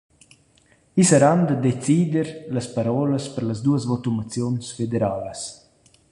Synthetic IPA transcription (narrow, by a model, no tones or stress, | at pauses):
isəɾand̪əd̪et͡sid̪ɛɾləspaɾɔləspəɾləzd̪uəzvɔt̪umat͡sjɔnsfed̪eɾaləs